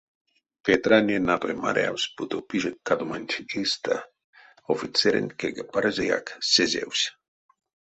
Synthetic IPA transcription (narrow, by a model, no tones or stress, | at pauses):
pet̪ɾanenapɾema̰ɾea̰wsʲput̪opiʒekːad̪omanʲt̪ʰʲist̪a | ofit̪t͡s̪eɾḛnʲkeɡapaɾzʲeja̰ksezʲḛwsʲ